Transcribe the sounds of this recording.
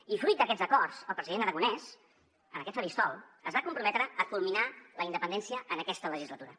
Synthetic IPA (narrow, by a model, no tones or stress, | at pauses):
ifɾut̪̚d̪əkɛdd͡zəkɔrsəlˠpɾəziðenəɾəɣunɛz | ənəkɛt̪̚pəɾist̪ɔ̰lˠəzβakumpɾumɛt̪ɾəəkulˠminaləind̪əpənd̪ɛnsiəʔənəkɛst̪ələʒizlət̪uɾə